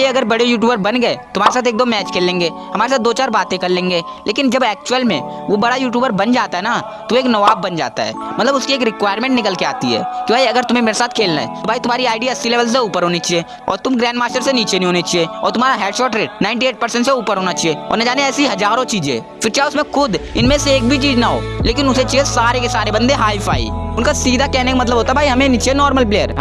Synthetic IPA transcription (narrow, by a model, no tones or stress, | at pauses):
jeɐɡəɾbɐɽejuːʈ̬juːbəɾbɐnɡɐet̪ʊm̤aːɾesaːt̪eːk̚d̪oːmɛːt͡ʃkʰeːlːẽːŋɡeː | hɐmaːɾesaːt̪̚d̪oːt͡ʃaːɾbaːt̪ẽkɐɾlẽːŋɡeː | leːkɪnd͡ʒɐbɛːk̚t͡ʃuəlmẽ | ʋobɐɽajuːʈ̬juːbəɾbɐnd͡ʒaːt̪aɦɛna | t̪oeːknɐʋaːbːɐnd͡ʒa̰ːt̪a̰ɦɛ̰ːmɐt̪ləbʊskieːkɾɪkwaːɪɾmẽːɳʈnɪkəlkeaːt̪iɦɛ̰ːkibʱaːjiɐɡəɾt̪ʊmɦẽmeːɾesaːt̪ʰkʰeːlna̰ɦɛ̰obʱaːit̪ʊmaːɾiaːɪɖiɐsːileːʋəls̬euːpəɾɦoːnit͡ʃie | ɔ̰ːɾt̪ʊmɡɾɛ̃ːɳɖmaːsʈəɾseniːt͡ʃeniɦoːnet͡ʃʰieɔːɾt̪ʊm̤ɦaːɾaɦɛːɖʃɔːʈɾeːʈ̚naːɪ̃ɳʈieːʈ̚pəɾsə̃ɳʈseuːpəɾɦoːnat͡ʃʰieɔ̰ːɾnɐd͡ʒaːneɛːsiɦɐd͡ʒaːɾõt͡ʃiːd͡ʒḛː | fɪɾt͡ʃaːʊsmẽkʰʊd̪ɪnmẽseeːk̚bʱit͡ʃiːd͡ʒnaɦo̰ːleːkɪnʊset͡ʃiesaːɾekesaːɾebɐ̃nd̪eɦaːipʰa̰ːḭʊnkasiːd̪ʱakɛɦnekamɐt̪ləbɦoːt̪abʱaːiɦɐmẽniːt͡ʃenɔːɾməlpleːəɾ